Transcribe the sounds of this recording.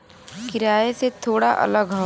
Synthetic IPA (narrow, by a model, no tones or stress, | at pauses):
kɪɾaːeset̪ʰoːɽaʔɐ̰ləɡɦɐ